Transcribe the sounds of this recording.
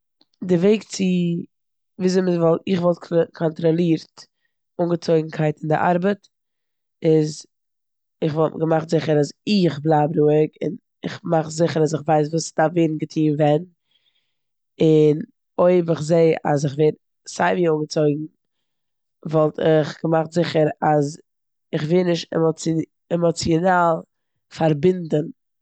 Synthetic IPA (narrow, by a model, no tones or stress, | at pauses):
dɪveɪkt͡sɪ | viːzɪməvɔlˠtɪχvɔlˠt̚kʰkʰɔntɾɔlˠiːɾt | uːŋɡət͡soɪɡŋ̩kʰaɪtɪndɪ̰ʔa̰ɾbət | ɪz | ɪχvɔlˠɡəmaχtzɪχəɾazɪχblˠaːbɾuːɪkɪ̰n | ɪ̰χmaχzɪχəɾasɪχvaɪs̬vuːsd̥aveːn̩ɡətʰiːnvɛn | ɪn | oɪbɪχzeɪa̰z̬ɪχveːɾ | saɪviuŋɡət͡soɪɡŋ̩ | vɔlˠtʰɪχɡ̥əmaχtzɪχəɾaz | ɪχvɪːnɪʃtɛ̰mɔ | ɛmɔt͡sjɔnaːlˠ | faɾbɪndən